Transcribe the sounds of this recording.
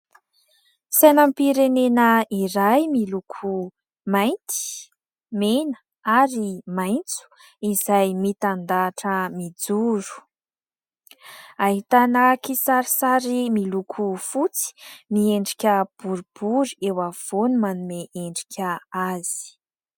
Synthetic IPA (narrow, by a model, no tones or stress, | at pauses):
sajnəmpiɾenenəiɾajmilukʰu | majnt̪i̥ | menə̥ | aɾimajnt͡su̥ | izajmit̪and̪aːʈ͡ʂəmid͡zuɾu̥ | aɦit̪anəkisaɾisaɾimilukʰufut͡si̥mieɳɖ͡ʐikʲəb̥uɾub̥uɾiewav̥onumanumeʔeɳɖ͡ʐi̥kʲʰəaz̥i̥